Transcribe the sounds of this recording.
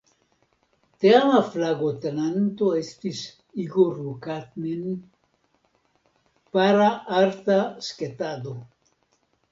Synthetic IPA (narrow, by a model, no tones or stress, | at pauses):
t̪eamaflaɣot̪enant̪oest̪is | iɡorukat̪nen | paɾaaɾt̪asket̪aðo